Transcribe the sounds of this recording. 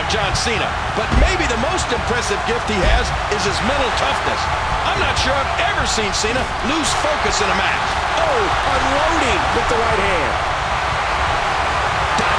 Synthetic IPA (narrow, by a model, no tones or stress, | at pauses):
d̥ʒ̥ɑ̃nsĩnɨ̰ | b̥ʌt̚meɪbiðɨmoʊstɨ̃mpʰɹ̥ɛsɨvɡɪft̚hiɨz | ɨzɨzmɛ̃ɾ̃l̩ˠtʰʌfnɨ̰s | ãɪ̃mnətʃʊɹaɪvɛvə˞sĩnsĩñə | luz̥foʊkɨsɨ̃nəmæt͡ʃ | oʊ | ə̃lõʊɾɪ̃ŋwɨðəɹaɪt̚hæ̃nd̥ | d̥